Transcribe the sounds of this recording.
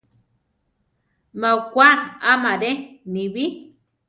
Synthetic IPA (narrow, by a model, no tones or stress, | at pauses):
maukʷaamaɾenĩβi